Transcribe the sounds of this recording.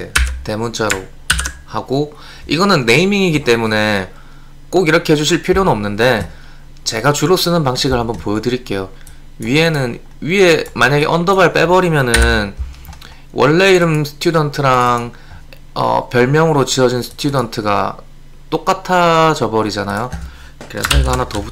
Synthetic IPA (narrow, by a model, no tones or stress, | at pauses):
te̞munt͡ɕ͈ʰaɾo | haɡo | iɡʌnɯnːe̞imiŋiɡit͈e̞mune̞ | k͈oɡiɾʌkʰeɦd͡ʑuɕ̬ʰiɭpʰiɾjonʌmnɯnde̞ | t͡ɕe̞ɡat͡ɕuɾos͈ɯnɯnpaŋɕ͈ʰiɡɯɭhambʌnpojʌdɯɾik͈e̞jo | ɥie̞nɯn | ɥie̞maɲaɡeʔʌndʌbaɭp͈e̞bʌɾimjʌnɯn | wʔʌ̰ɭːe̞iɾɯmsʰɯ̥tʰjudʌntʰɯɾaŋ | ʌ̰pjʌɭmjʌŋɯɾot͡ɕiʌd͡ʑinsʰɯ̥tʰjudʌntʰɯɡa̰ | t͈ok͈atʰat͡ɕʌbʌɾid͡ʑanajo | kɯɾe̞̰sʰʌɡɦanatʌbu